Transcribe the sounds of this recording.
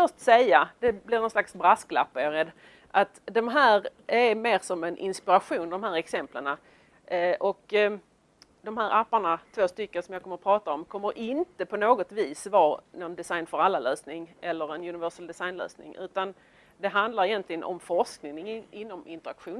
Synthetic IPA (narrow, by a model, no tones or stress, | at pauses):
fœʂʈsɛjːad̪ɛblɪɾnɔnslaksbɾaskla̰pːaaɾɛd̪ː | ʔat̪d̪ɔmɦæːɾæɾmeːɾsɔmɛnʔɪ̰nspɪɾaɧuːnd̪ɔmɦæːɾɛksɛmpləɳa | ʔɔk | d̪ɔmhæːɾʔapːaɳat̪ʰvoːst̪ʏkːənsɔmjɑɡkɔməɾɔpʰɾɑːt̪aɔmkʰɔmːəɾʔɪnt̪əpʰɔnoːɡɔt̪viːsvɑːnɔnd̪ɛsajnfœɾalːaløːsnɪŋɛlːəɾɛnjɵnɪvœʂəld̪ɛsajnlø̰ːsnɪ̰ŋʔʉ̟ːt̪an | d̪ɛɦand̪laɾɪjɛnt̪lɪɡənʔɔ̰mfɔʂknɪŋŋɪnːɔmɪnt̪əɾakɧuːn